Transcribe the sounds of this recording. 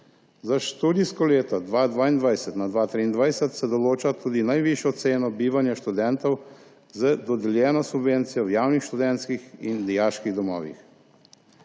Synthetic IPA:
zaʃt̪uːd̪iskɔleːt̪ɔd̪ʋaːd̪ʋaːind̪ʋajsɛt̪nad̪ʋaːt̪ɾiːnd̪ʋajsɛt̪sɛd̪ɔloːt͡ʃat̪uːd̪inajʋiʃjɔt̪seːnɔbiːʋanjaʃt̪ud̪ɛnt̪ɔw | zəd̪ɔd̪ɛljɛːnɔsubʋent̪sijɔwjaːwnixʃt̪ud̪ɛnt̪skixind̪ɛjaːʃkiɣd̪ɔmɔ̰ːʋḭx

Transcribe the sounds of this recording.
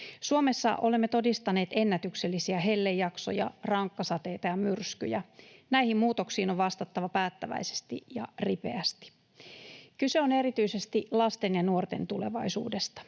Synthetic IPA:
suome̞sːɑ̰ʔo̞lemːet̪o̞dist̪ɑne̞ːt̪e̞nːæt̪ykselːisiæɦe̞lːejːɑkso̰jɑ̰rɑŋkːɑsɑt̪e̞jt̪ɑjɑmyrsky̰jænæihimmuːt̪oksiːnoʋʋɑst̪ɑt̪ːɑʋɑpæːt̪ːæʋæ̰ise̥st̪ḭjɑ̰ripe̞̰æst̪i̥ | kyse̞one̞ɾit̪yisest̪ilɑst̪e̞njɑnuort̪e̞̰nt̪ule̞ʋɑisṵːdest̪ɑ̥

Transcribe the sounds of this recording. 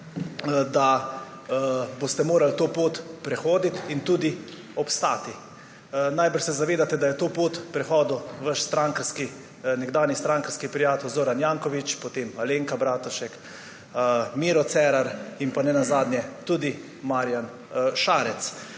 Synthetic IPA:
d̪a | bost̪ɛmoːɾalt̪oːpoːt̪pɾɛxoːd̪it̪int̪uːd̪i | ɔpst̪a̰ːt̪i | najbəɾʃsɛzaʋeːd̪at̪ɛd̪ajɛt̪oːpoːt̪pɾɛxɔːd̪uʋəʃst̪ɾaŋkɾski | nɛɡd̪aːnist̪ɾaŋkɾskipɾijaːt̪ɛwzoːɾanjaːŋkɔʋit͡ʃpɔt̪emaleŋkabɾaːt̪ɔʃɛk | miːɾɔt̪sɛːɾaɾimpanɛnazaːd̪nʲjɛt̪uːd̪i | maɾjan | ʃaːɾɛt̪s

